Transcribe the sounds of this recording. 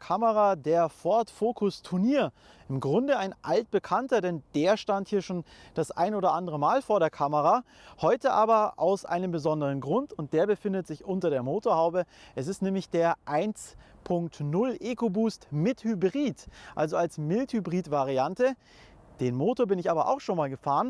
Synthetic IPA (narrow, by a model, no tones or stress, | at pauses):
kʰaməʁadeːɐfɔɐtfoːkʰʊstʰʊɐniːɐ | ʔɪmɡʁʊndəaɪnʔalt̚b̥əkʰantɐdɛnd̥eːɐʃtanthiːɐʃoːnd̥asʔa̰ɪnoːdɐʔandəʁəmaːlfoːɐɾeːɐkʰaməʁa | hɔʏtəʔa̰ːbɐʔa̰ʊsʔa̰ɪnəmbəzɔndəʁ̞ənɡʁʊntʊnt̚d̥eːɐbəfɪndətz̥ɪçʔʊntɐɾeːɐmoːtoːɐhaʊbəʔɛsɪstnɛːmlɪçd̥eːɐʔaɪnt͡spʰʊŋktnʊlʔeːkobuːstmɪthybʁiːtʔalzoalsmɪlthybʁiːtv̥aʁiantə | d̥eːnmoːtoːɐbɪnɪçʔaːbɐʔa̰ʊxʃoːnmaːlɡəfaːʁən